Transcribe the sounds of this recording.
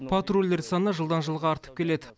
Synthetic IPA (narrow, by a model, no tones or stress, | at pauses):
pʰat̪rolʲd̪eɾsɑnəʒəlˠd̪ɑnʒəlˠʁɑːɾt̪ə̥p̚kʲe̞le̞d̪ɪ